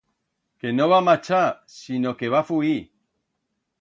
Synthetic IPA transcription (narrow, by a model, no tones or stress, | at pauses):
ke̞no̞β̞amat͡ʃa | sino̞ke̞β̞afui